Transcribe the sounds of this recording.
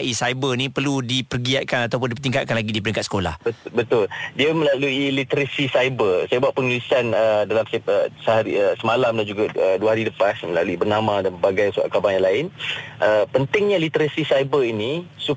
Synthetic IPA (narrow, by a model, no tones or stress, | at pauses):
ʔisajbənĩpərludipərɡiat̪̚kanat̪awp̬ʊndipərt̪iŋkat̪̚kanlaɡidipəɾiŋkat̪sə̥kola̰hbəbət̪ʊldiəməlaluilit̪əɾasisajbərsajabuaʔ̪̚pəŋulisanədalamsəsəɦaɾiəsəmalamdand͡ʒuɡaduaɦaɾiləpasməla̰luibərnamãdanəbaɡajsua̰ʔklabaŋjaŋlaɪnʔəpənt̪ɪŋɲalit̪əɾasisajbəinisu